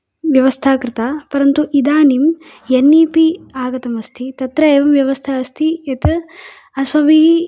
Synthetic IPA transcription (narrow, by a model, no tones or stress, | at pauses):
ʋjɐʋɐst̪ʰaːkɾɪt̪aːpɐɾɐnt̪uʔid̪aːnim | jɐnːiːpiaːɡɐt̪ɐmɐst̪ʰit̪ɐt̪ɾɐeːʋɐmʋjɐʋɐst̪ʰaɐst̪ʰiɐt̪ | ɐsʋɐʋiɦi